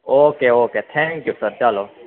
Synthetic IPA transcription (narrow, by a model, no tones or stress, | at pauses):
oːkeːoːkeːt̪ʰɛ̃ŋkjuːsəɾt͡ʃaloː